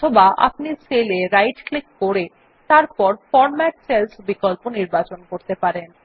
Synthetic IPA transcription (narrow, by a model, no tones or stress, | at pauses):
t̪ʰobaʔa̰pniseleɾajɖklikːoɾe | t̪aɾpɔɾfɔɾmɛʈselsbikolponiɾbat͡ɕonkoɾt̪epaɾen